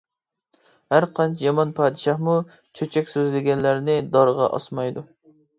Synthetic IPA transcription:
hæɾqɑnt͡ʃʰjɑmɑnpʰɑːd̪ɨʃɑhmu | t͡ʃʰøt͡ʃʰɛkʲsøzlɪɡʲɛnlæɾnɪd̪ɑɾʁɑ̰ʔɑ̰smɑjd̪u

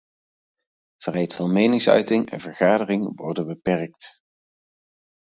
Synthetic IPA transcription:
v̥rɛjtfɑnmejnɪŋsœ̰ɥtɪŋɛ̰nvəɹχaːdərɪŋʋɔɹdənbəpɛɹkt

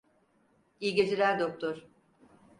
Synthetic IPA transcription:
ijɟʲed͡ʒilʲæɾd̪ok̚t̪ʰoɾ̥

